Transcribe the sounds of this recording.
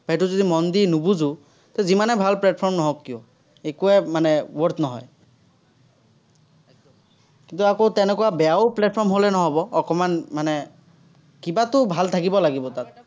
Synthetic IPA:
b̥ajtʊzod̪imɔnd̪inubuzu | t̪ɛzimanɛbʱalplɛt̚pʰɔɹmnɔɦɔkːiɔ | ekuɛmanɛwɔɹtnɔɦɔ̰j | kint̪uakotɛnɛkɔwabɛjaoplɛt̚pʰɔɹmɦolɛnɔɦɔbɔːkɔmanmanɛ | kibatʊbʱalt̪ʰakibɔlaɡibɔtat̪̚

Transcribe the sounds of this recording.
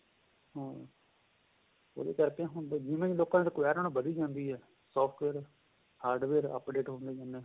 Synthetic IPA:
ɦõː | o̰d̪ḛːk̪əɾpeãːɦd͡ʒɪmẽiloːkãt̪ekoɛːɾəɳ̃bəd̪iːd͡ʒãːnd̪iːɦɛː | sɔːpʰʈʋeːɾ | haːɾɖʋeːɾə̰pɖeːʈɦõːnd̪eːd͡ʒãːnd̪eː

